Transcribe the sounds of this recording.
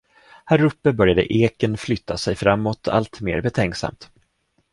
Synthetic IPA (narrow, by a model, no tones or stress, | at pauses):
hæɾɵpːəbœɾjad̪ə̰ʔeːkənflʏt̪ʰːasɛjfɾamːɔt̪ʰa̰lt̪meːɾbɛt̪ʰɛŋksa̰mt̪